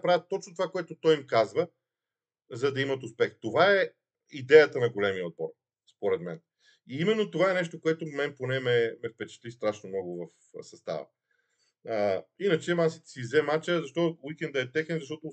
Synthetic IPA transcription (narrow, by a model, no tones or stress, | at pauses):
pɾavʲət̪ːɔt͡ʃnot̪ovakoɛt̪ot̪ɔjmkazvə | zɐd̪ɐimɐt̪ʊspɛxt̪ovaɛ | id̪ɛjət̪ənɐɡolɛmiəod̪̚bɔɾ | spoɾɛd̪mɛ̰n | iimɛnːot̪ovaɛnɛʃt̪okoɛt̪omɛnponɛmɛmɛfpɛt͡ʃɛ̥t̪list̪ɾaʃnomnɔɡʊvəf | sɐst̪a̰və̰ | əinət͡ʃɛmasit̪ɛ̥sizɛmat͡ʃəzɐʃt̪ɔowikɛnd̪ɐɛt̪ɛxɛnzɐʃt̪ɔt̪o